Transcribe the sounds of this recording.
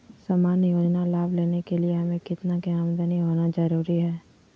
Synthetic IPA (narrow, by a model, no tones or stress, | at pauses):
samaːnjoːd͡ʒnalaːbʱleːnekelieɦɐmẽkɪt̪nakaːmd̪əniɦoːnad͡ʒɐɾuːɾiɦɛː